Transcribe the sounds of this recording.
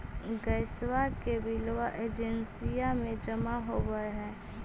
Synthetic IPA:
ɡəɪswakebɪlʋaʔeːd͡ʒɛnsijamẽd͡ʒəmaɦoɡəeɦɛ̃ː

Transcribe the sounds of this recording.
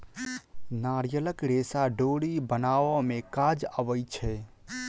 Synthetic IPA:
naːɾjələkɾeːsaɖoɽibənaːʋamẽkad͡ʒaʋəjt͡ʃʰɛ

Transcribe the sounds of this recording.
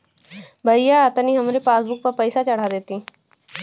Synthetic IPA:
bʱəɪjaːt̪əniːɦəmɾepaːsbʊk̚pəɾpəɪsat͡ʃəɽ̤aːd̪et̪iː

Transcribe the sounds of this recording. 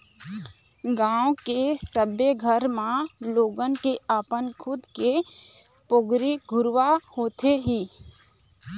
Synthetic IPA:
ɡãːõkesəbjeɡʱəɾmãloːɡənkeaːpənkʰʊd̪ke | poɡɾiɡʱʊɾʋahoːt̪eɦiː

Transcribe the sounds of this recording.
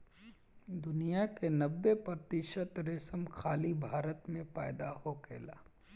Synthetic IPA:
d̪ʊnijakenɐbːepɾɐt̪ɪʃət̪ɾesəmxaːlibʱaːɾət̪mẽpaːd̪aɦokʰḛːlaː

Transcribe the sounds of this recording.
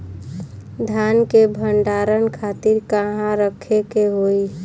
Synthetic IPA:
d̪ʱankebʱəɳɖaɾənkʰat̪iɾkəɦãɾəkʰekeɦoi

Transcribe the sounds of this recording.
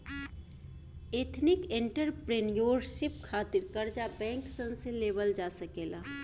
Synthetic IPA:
eːt̪ʰnɪkẽɳʈəɾpɾenjoːɾʃɪp̚kʰaːt̪ɪɾkɐɾd͡ʒabɛ̃ːŋksə̃nseleːʋəld͡ʒaːsəkeːlaː

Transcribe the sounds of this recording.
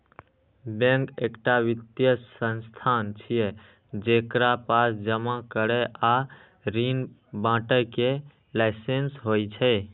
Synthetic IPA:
bẽŋkekʈaʋit̪jəsənst̪ʰant͡ʃʰije | d͡ʒekɾapasd͡ʒəmakəɾɛʔa | ɾinbãʈəke | laɪsensɦojt͡ʃʰəɪ

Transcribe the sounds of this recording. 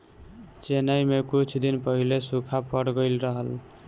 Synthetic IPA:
t͡ʃenəjmekut͡ʃʰd̪inpəɦilesukʰapəɽɡəɪlɾəɦəl

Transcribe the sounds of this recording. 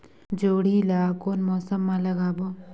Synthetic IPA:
d͡ʒoːɽ̤ilaːkoːnmɔːsəmːãlɐɡaːboː

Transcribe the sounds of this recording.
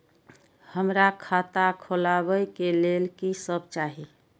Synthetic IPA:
həmɾakʰat̪akʰolabəjkelelkisəb̚t͡ʃaɦi

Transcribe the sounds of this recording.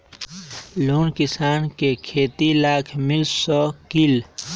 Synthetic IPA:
loːnkɪsaːnkekʰeːt̪ilaːkʰmɪlsɔːkil

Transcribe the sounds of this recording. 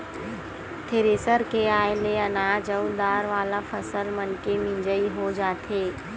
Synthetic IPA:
t̪ʰeɾeːsəɾkeaːjleənaːd͡ʒəud̪aːɾʋaːlafʰəsəlmənkemĩɲd͡ʒəiɦod͡ʒaːt̪ʰeː

